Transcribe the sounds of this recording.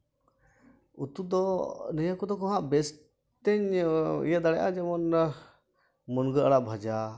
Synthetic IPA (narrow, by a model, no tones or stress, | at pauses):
ut̪ud̪ɔnɛjakɔd̪ɔkɔɦãʔbɛs | t̪ɛɲḭjad̪aɽɛʔad͡ʒɛmɔn | mɔnɡəaɽaʔbʱad͡ʒa